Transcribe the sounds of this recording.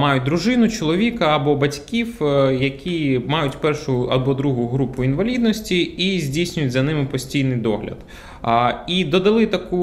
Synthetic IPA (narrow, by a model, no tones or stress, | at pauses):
mɑjʊt̚ʲd̪ɾʊʒɪnʊt͡ʃɔlˠɔʋʲikɐːbɔbɐtʲkʲiwjɐkʲimɑjʊtʲpɛrʃʊjʊɐbɔd̪ɾuɦʊjʊɦɾupʊinʋɐlʲid̪nɔsʲtʲiːzʲdʲijsʲnʲʊjʊtʲzɐnɪmɪpɔsʲtʲijnɪjd̪ɔɦlʲɐ̰d̪ | id̪ɔd̪ɐlˠɪt̪ɐku